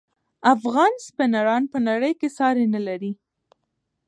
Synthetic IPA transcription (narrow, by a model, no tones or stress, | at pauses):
afɣɑnspɪnaɾɑnpənaɽəjkesɑɾenalaɾi